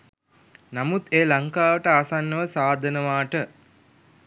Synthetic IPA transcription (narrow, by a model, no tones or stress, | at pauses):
namut̪eːlaŋkaːʋəʈəasanːəʋəsaːd̪ʱənəʋaːʈə